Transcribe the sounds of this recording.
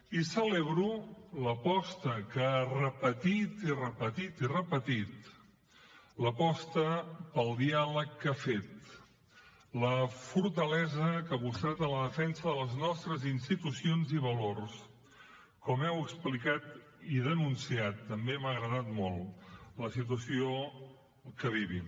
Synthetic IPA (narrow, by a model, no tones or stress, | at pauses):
isəleβɾuləpɔst̪əkəarəpət̪it̪irəpət̪it̪irəpət̪it̪ | ləpɔst̪əpəlˠd̪ialəkːafet̪ | ləfuɾt̪əlɛzəkaβust̪ɾat̪ələðəfɛnsəðələznɔst̪ɾəzinst̪it̪usionziβəlors | kɔmɛwəksplikat̪ | iðənunsiat̪ːəmbeməɣɾəðat̪mɔlˠləsit̪̬uəsio | kəβ̞iβḭ